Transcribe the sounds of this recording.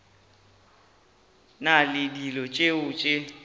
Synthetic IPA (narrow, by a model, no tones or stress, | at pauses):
nalɪdilɔt͡ʃʼeʊt͡ʃʼe